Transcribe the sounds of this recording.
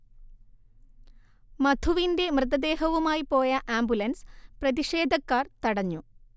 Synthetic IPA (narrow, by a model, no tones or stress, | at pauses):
mɐd̪ʱuʋinde̞mrɨt̪ɐd̪e̞ːɦɐʋumaːjipo̞ːjɐʔaːmbulɐnsprɐðiʂe̞ːd̪ʱɐkːaːrt̪ɐɽɐɲːu